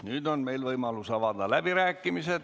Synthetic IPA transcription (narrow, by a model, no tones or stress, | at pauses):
nyt̪onmeilʋoimɑlːusɑʋɑˑd̪ɑlæpiræːkːimiset̪